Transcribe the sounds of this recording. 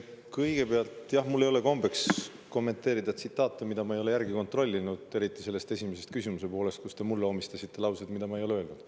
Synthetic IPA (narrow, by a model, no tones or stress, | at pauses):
kɤjɡ̥e̞peɑlt̪ˑjɑhmulːejo̞le̞ko̞mbe̞ks | ko̞mːe̞nt̪ːˑe̞ːɾid̪ɑet̪sit̪ˑːɑːt̪ːˑɑmid̪̥ɑmɑejlejærɡiko̞nt̪ˑro̞lʲːinud̪̥e̞ɾit̪ːˑise̞lːe̞st̪e̞sʲimese̞st̪̚kysimuse̞po̞ːle̞st̪̚kust̪e̞mulːeo̞mist̪ɑsit̪ːe̞lɑwsed̪mid̪̥ɑmɑejo̞leøːlnud̪̥